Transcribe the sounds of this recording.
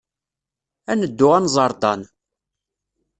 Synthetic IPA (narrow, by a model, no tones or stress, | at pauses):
ænəd̪ːʊʁænzˤɑɾˤd̪ɑn